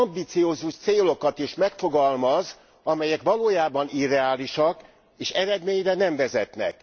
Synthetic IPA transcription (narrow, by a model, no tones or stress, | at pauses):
ɒmbiːt̪sijoːzuʃt̪seːlo̞kɒt̪eːʃmɛkfo̞ɡɒlmɒz | ɒmɛjɛkʋɒloːjaːbɒniɾɛaːliʃɒk | eːʃɛɾɛd̪meːɲrɛnɛɱvɛzɛt̪nɛ̰k